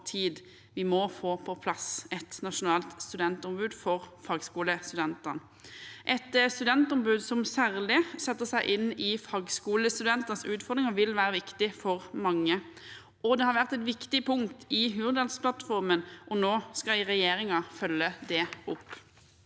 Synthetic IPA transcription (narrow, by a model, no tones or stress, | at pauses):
t̪ʰiːd̪ | ʋɪmɔfoːpʰɔpʰlɑsɛt̪nɑʂʊnɑːlt̪st̪ʉd̪ɛnt̪ʊmbʉːd̪fɔʁfɑːɡskuːləst̪ʉd̪ɛnt̪ən | ʔɛt̪st̪ʉd̪ɛnt̪ʊmbʉːd̪sɔmsæːʁlɪsɛt̪ːəsæɪʔɪnːɪfɑːɡskuːləst̪ʉd̪ɛnt̪ənsʉːt̪fɔʁd̪ʁɪŋəʋɪlʋæːɾəʋɪkt̪ɪfɔʁmɑŋːə | ʔɔd̪ɛhɑɾʋæʁt̪ɛt̪ʋɪkt̪ɪpʰʊŋt̪ɪɦʉːʁd̪ɑlspʰlɑt̪fɔɾmənʔɔnoːskɑɪʁɛjeːɾɪŋɑfœlːəd̪ɛʊp